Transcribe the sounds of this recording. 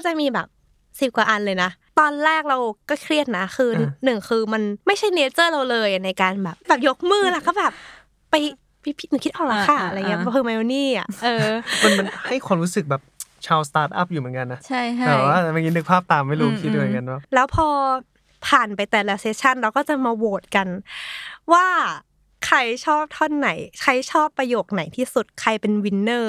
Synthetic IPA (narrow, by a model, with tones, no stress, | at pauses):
a˥˩t͡ɕa˨˩ʔmiː˧bɛ̰ː˨˩p̚ | si˨˩p̚kwaː˨ʔa˧nlɤː˧jna˦˥t̪ɔː˧nɾɛː˥˩k̚ɾa˧wkɔː˥˩kʰɾi˥˩ət̪̚na˦˥xʰɯː˧nɯ˨˩ŋkʰɯː˧ma˧nma˥˩jt͡ɕʰa˥˩jneː˧˥t͡ɕɤː˥˩ɾa˧wlɤː˧ja˩na˧jkaː˧nbɛː˨˩p̚bɛː˨˩p̚jo˦˥k̚mɯː˥˩la˧˩kʰa˥˩bɛː˨˩p̚ː | a˧j | pa˧jpʰi˦˥nɯ˨˩kʰi˦˥t̪ʔaɔː˨˩k̚la˧˥kʰa˥˩ʔɾa˧˨ŋːi˦˥ɐ˧pːpʰɤː˧ŋmɛ˧o˧niː˥˩a̰˨˩ʔʔɤː˧ma˧nma˧nha˥˩jkʰwa˧mɾuː˦˥sɯ˨˩k̚bɛː˨˩p̚t͡ɕʰaː˧wst̪aː˦˥t̪̚ʔa̰˦˥˩p̚juː˨˩m˩˦nka˧nːa˦˥t͡ɕʰa˥˩jt̪ɛː˨˩waː˥˩ma˧˩nki˦nːɯ˧˦˥k̚pʰaː˥˩p̚t̪aː˨˩mːa˥˩jɾuː˦˧kʰiː˧o˧˨ŋka˧nbaː˥˩lɛː˦˥wpʰɔː˧ | pʰaː˨˩npa˧jt̪ɛː˨˩la˦˥seː˧˥t͡ɕʰa˥˩nɾa˧wkɔː˥˩t͡ɕa˨˩maː˧woː˨˩t̪̚ka˧n | waː˥˩ | kʰɾa˧jt͡ɕʰɔː˥˩p̚t̪ʰɔ˥˩nːa˩˦jkʰa˦˧˥jt͡ɕʰɔː˥˩pːɾa˧joː˨˩k̚na˨˩˦jt̪ʰiː˥˩su˨˩t̪̚kʰɾa˧jpe˧nwi˧˥nːɤː˥˩